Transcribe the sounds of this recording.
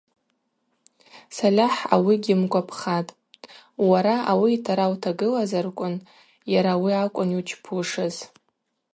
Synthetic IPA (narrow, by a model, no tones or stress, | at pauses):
salʲaħa̰wiɡʲɪmkʷʼapʰχatʼ | waɾaawiːtʰaɾawtʰaɡɨlazarkʷʼʊn | jaɾawiakʷʼʊnit͡ʃʰpʰuʂɨz